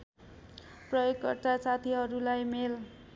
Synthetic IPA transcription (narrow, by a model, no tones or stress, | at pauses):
prʌjoɡkːʌrt̪at͡sat̪ʰiɦʌɾulajmel